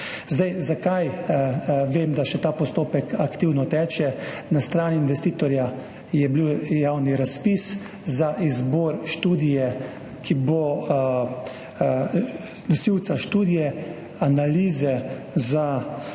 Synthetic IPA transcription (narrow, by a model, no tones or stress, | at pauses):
zd̪ajzakaj | ʋeːmd̪aʃɛt̪aːpɔst̪oːpɛkakt̪iːwnɔt̪ɛːt͡ʃɛnast̪ɾaːniːnʋɛst̪iːt̪ɔɾja | jɛbliwjaːwniɾaspis | zaʔizbɔːɾʃt̪uːd̪ijɛ | kʰibo | nɔsiwt̪saʃt̪uːd̪ijɛ | analiːzɛ | za